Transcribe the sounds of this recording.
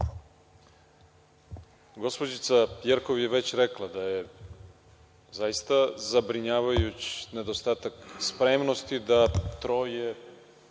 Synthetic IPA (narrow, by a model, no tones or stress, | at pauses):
ɡospod͡ʑit̪sajeɾko̞ʋje̞ʋe̞t͡ɕɾeklˠad̪aje̞ | zajist̪azabɾiɲaːʋajut͡ɕi̥ne̞d̪o̞st̪aːt̪akspɾemno̞st̪id̪at̪ɾo̞je